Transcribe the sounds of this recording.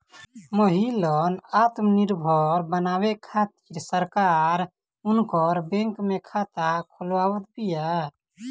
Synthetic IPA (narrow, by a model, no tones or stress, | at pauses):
məɦilənat̪mniɾbʱɔɾbənawekʰat̪i̥ɾsəɾkaɾ | unkɔɾbẽŋkmekʰat̪akʰulwawət̪bija